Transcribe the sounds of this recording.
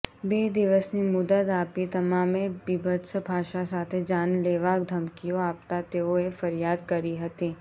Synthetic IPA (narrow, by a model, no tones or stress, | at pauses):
beːd̪ɪʋəsnimʊd̪ət̪aːpkit̪ɐmãːmẽbibəd̪sbʱaːʃasaːt̪ʰed͡ʒaːnleːʋaːk̚d̪ʱɐmkijoaːpt̪at̪eːoefɐɾjaːd̪kɐɾiɦɐt̪iː